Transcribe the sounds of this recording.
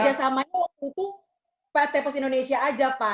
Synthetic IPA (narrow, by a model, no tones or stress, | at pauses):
d͡ʒasamaɲawak̚t̪ut̪u | pat̪ɛpas̬indonesiaːd͡ʒapa